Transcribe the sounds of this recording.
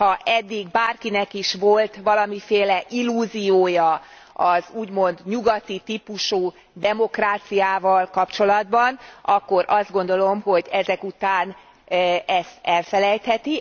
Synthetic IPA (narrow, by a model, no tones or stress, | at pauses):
hɒʔɛd̪ːiɡbaːrkinɛkiʃʋo̞lt̪ʋɒlɒmifeːlɛʔilːuːzijoːjɒ | ɒzuːɟmo̞nd̪ɲuɡɒt̪it̪ipuʃuː | d̪ɛmo̞kraːt̪sijaːvɒlkɒpt͡ʃo̞lɒd̪bɒnɒkːo̞ɾʔɒzd̪̚ɡo̞nd̪o̞lo̞mho̞ɟɛzɛkut̪aːn | ɛst̪ɛlfɛlɛjt̪hɛt̪i